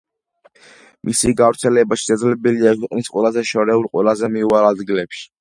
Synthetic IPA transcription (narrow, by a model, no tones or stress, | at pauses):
mʔisiɡavɾt̪sʰɛlɛbaʃi̥ʃad̪zlɛbɛliaɛkʰwiqʼnisqʼwɛlazɛʃɔɾɛulqʼwɛ̰lazɛmiuaɾlad̪ɡilɛpʃi̥